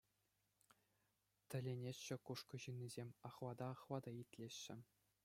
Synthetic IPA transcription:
t̪ʲɘ̆lʲenʲeɕːɘ̆kuʂkɤ̆ʑɯnʲːizʲemʲɑχʋɑd̪ɑːχʋɑd̪ɑit̪ʲlʲeɕːɘ̆

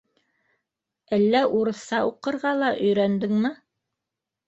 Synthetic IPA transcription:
ælːæʔuɾɤ̆θɑuqɤ̆ɾʁɑlˠɑʔɵ̆jɾænd̪ɘŋmɘ

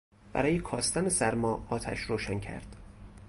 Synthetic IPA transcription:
b̥æ̰ɾɒːjekʰɒːst̪ænesæɾmɒːɒːt̪ʰæ̰ʃɾoːʃæncʰæ̰ɾd̪̥

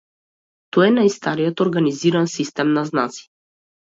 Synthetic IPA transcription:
t̪ɔɛnajst̪aɾijɔt̪ɔɾɡaniziɾansist̪ɛmnaznat̪si̥

